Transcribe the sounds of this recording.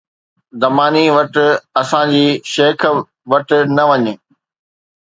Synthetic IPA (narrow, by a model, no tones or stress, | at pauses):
zɐmaːniʋɐʈ̆ɐsãd͡ʑiːʃeːkʰ | ʋɐʈ̆nɐʋɐɲɪ